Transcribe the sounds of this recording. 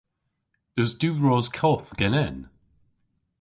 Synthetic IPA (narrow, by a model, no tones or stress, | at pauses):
əzdʉːɹɔzkʰɔθɡ̥ɛnɛn